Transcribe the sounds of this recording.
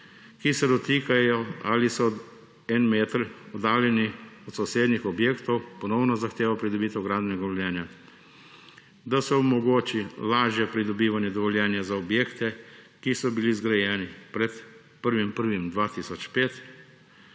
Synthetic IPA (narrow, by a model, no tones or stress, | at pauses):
kisɛd̪ɔt̪iːkajɔalisɔ | ɛnmeːt̪ɾɔd̪aːljɛniɔt̪sɔwseːd̪nixɔbjeːkt̪ɔwpɔnɔwnɔzaxt̪eːʋapɾid̪ɔbiːt̪ɛwɡɾaːd̪nɛɡaʋɔljɛːnja | d̪asɛɔmɔɡoːt͡ʃilaːʒjɛpɾid̪ɔbiːʋanjɛd̪ɔʋɔljɛːnjazaɔbjeːkt̪ɛ | kisɔbilizɡɾajɛːnipɾɛt̪ | pəɾʋimpəɾʋimd̪ʋaːt̪isɔt͡ʃpeːt̪